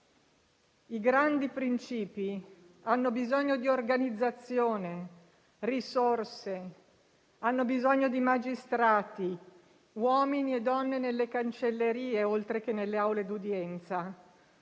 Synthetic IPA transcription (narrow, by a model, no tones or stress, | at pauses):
iɡɾand̪ipɾint͡ʃiːpi | anːobizoɲːod̪iorɡanid̪zːat̪sːjoːne | risorse | anːobizoɲːod̪imad͡ʒist̪ɾaːt̪i | wɔːminied̪ɔnːenelːekant͡ʃelːeɾiːeolt̪ɾek̟enelːeawled̪ud̪jɛnt̪sa